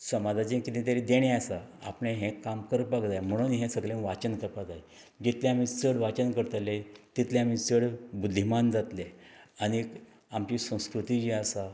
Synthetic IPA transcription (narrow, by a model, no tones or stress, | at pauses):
səmad͡zat͡ɕinkit̪ĩt̪jaɾid̪eɽ̃easaa̰pɳẽɦẽkamkəɾpaɡd͡zajm̤əɽ̃unɦẽsəɡlẽʋat͡ɕənkəɾpad͡zaj | d͡ʑit̪ʰlẽam̤iːt͡səɽʋat͡ɕənkəɾt̪let̪it̪ʰleam̤iːt͡səɽbud̪ːimand͡zat̪leani | amt͡ɕisə̃w̃skɾut̪id͡ʑiasa